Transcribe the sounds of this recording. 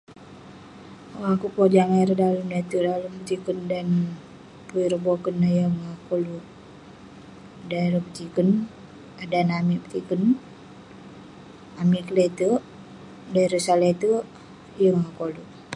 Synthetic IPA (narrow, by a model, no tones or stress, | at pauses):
oakupod͡ʒaŋaɾədaləmlet̪ədaləmpt̪ikəndan | puiɾəbokənajəŋakoluʔ | daləpt̪ikən | adanamiʔpət̪ikən | amiʔkəlet̪əʔ | daiɾəsalet̪ə | jəŋakolu